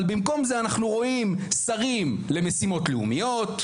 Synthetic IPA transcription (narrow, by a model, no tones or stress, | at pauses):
lbimko̞mzeanaχnuʁo̞imsaʁimle̞mesimo̞t̪leumijo̞t̪